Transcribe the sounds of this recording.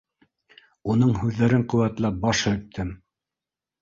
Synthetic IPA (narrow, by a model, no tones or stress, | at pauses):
un̪ɤɴɦʉðːæɾɘɴqɵ̆wæt̪læp̚bɑʃhɵ̆t̪ʰːɘm